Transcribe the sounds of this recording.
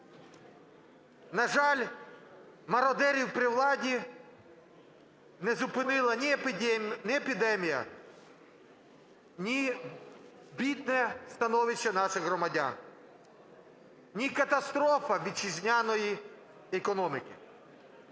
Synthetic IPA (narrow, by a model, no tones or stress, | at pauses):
nɐʒɑlʲ | mɐɾɔd̪ɛɾʲiwpɾɪwlˠɑdʲi | nɛzʊpɪnɪlˠɐnʲi | nɛepʲid̪ɛmʲijɐ̰ | nʲi | bʲid̪̚nɛst̪ɐnɔʋɪʃːɛnɑʃɪxɦɾɔmɐdʲa̰n | nʲikɐt̪ɐst̪ɾɔfɐʋʲid̪̚t͡ʃizʲnʲanɔji | ekɔnɔmʲɪkʲɪ